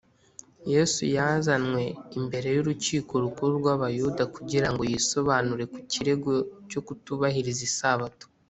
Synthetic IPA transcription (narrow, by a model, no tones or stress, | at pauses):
je̞sujazanŋwe̞imbe̞ɾe̞juɾuciːko̞ɾukuɾuɾɡwaβajudakuɟiɾaŋɡo̞jiso̞βaːnuɾe̞kuciɾe̞ɡo̞co̞kutuβahiɾizisaβato̥